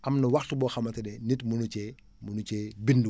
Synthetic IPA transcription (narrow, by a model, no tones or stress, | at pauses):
ʔɐmnɐwɐxtubɔːxɐmɐtɐdɛnitmunut͡ʃɛ | munut͡ʃɛbindu